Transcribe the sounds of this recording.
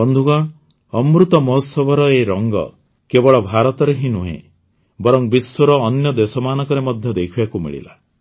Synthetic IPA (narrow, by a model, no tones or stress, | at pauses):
ɔnd̪ʱuɡɔɽ | ɔmɾut̪ɔmɔɦɔsɔbʱɔɾɔeɾɔŋɡɔ̰ | kebɔɭɔbʱaɾɔt̪ɔɾeɦĩnuɦḛ̃ | bɔɾɔŋbiswɔɾɔːnjɔd̪esɔmaːnɔkɔɾemɔd̪ʱjɔd̪ekʰibakumḭɭḭla̰